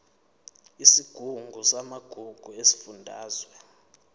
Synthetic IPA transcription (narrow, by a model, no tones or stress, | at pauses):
isiɡ̥ʱuŋɡʱusamaɡ̥ʱuɡ̥ʱuesi̥fundʱa̰ːzwɛ